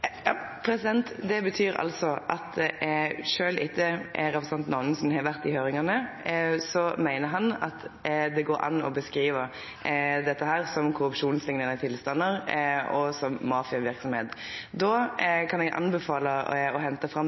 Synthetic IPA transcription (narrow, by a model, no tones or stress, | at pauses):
jɑpʰɾɛsɪd̪ɛnt̪d̪ɛbət̪ʰyːɾɑ̰lsɔʔɑt̪ | ʂøːlʔɪt̪ʰːəɾɛpʁɛsɑnt̪nɔːʋnn̩sɔmhɛʋæɾt̪ɪhøːɾɪŋɑnə | sɔmæɪnəɾɦɑnɑ̰t̪d̪ɛɡoːɾʔɑ̰nːɔ̰bəskɾiːʋəɾ | d̪ɛt̪ːəɦæːɾsɔmkʰʊɾʉpʂuːnslɪŋnənət̪ʰɪlst̪ɑnːəɾɔsɔmːɑːfɪɑʋɪɾksɔmhḛːt̪d̪oːkʰɑnɛɡʔɑ̰nbɛfɑːləɔhɛnt̪əfʁɑm